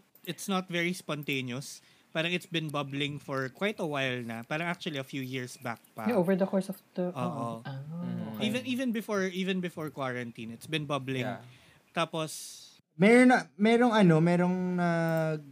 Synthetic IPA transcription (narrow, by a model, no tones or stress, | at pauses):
ɪt̪snɐt̪vɛɹispɔnt̪ejnjos | paːɾɐŋɪt̪sbɪ̃nbɐblɪ̃ŋfɔɹkwajt̪ɐwajlnɐpaːɾɐŋʔak̚t͡ʃʊɐliɐfjuːjɪɹsba̰k̚pɐʔovɛɹd̪ɐkɔɹsɔft̪oʔoːʔo | ʔivɛ̃nʔiːvɛ̃nbɪfoɹʔiːvɛ̃nbɪfoɹkwaɹɐnt̪ĩnɪt̪sbɪ̃nbɐblɪ̃ŋ | t̪aːpos | mɛɾonɐmɛɾoŋɐnomɛɾoŋnɐɡ̚